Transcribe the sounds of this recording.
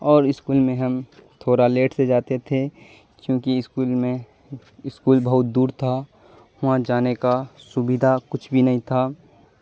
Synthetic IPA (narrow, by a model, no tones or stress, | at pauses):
ɔːɾɪskuːlmẽɦɐmt̪ʰoːɾaleːʈsed͡ʒaːt̪et̪ʰe | kjõːkiɪskuːlmẽ | ɪskuːlbɐɦʊt̪̚d̪uːɾt̪ʰa | ʊãd͡ʒaːnekasʊbɪd̪ʱakʊt͡ʃʰbʱinɐɦĩt̪ʰaː